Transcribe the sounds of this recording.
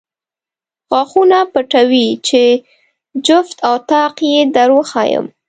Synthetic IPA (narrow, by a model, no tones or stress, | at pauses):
xɑxunapəʈawit͡ʃe | d͡ʒʊft̪awt̪ɑqjed̪aɾwoxɑjə̰m